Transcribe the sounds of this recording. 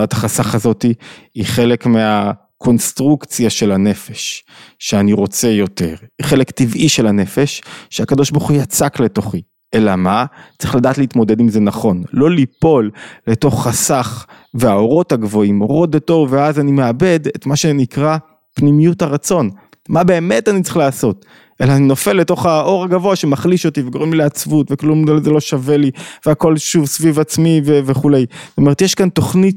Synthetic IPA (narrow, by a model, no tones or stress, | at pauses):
athaχasaχazo̞tiiχe̞le̞kmea | kʰo̞nstʁukt͡sjaʃe̞lane̞feʃːeaniʁo̞t͡se̞jo̞te̞̰ʁiχe̞lektivʔiʃe̞lane̞fe̞ʃːeakad̪o̞ʃbaʁχujat͡sakle̞to̞χi | ʔe̞lamat͡sʁi̥χladaːtleitmo̞de̞dimze̞naχo̞nlo̞lipo̞lːe̞to̞χːasaχ | veao̞ʁo̞thaɡvo̞imoʁo̞dato̞veazanimeabe̞detmaʃe̞nikʁa | pnimijuthaʁat͡so̞n | mabe̞ːme̞tanit͡siχlaːso̞t | ʔe̞laːnino̞fe̞lːe̞to̞χaʔo̞ʁaɡavo̞aʃemaχliʃo̞tiveɡoʁemlileat͡svutveklumzelo̞ʃaveliveako̞lʃuvsvivat͡smiveveχule̞jzotome̞tjeʃkanto̞χnit